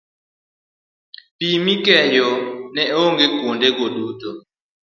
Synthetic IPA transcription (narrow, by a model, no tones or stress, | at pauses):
pimikɛjɔnɛoŋɡekundɛkodutɔ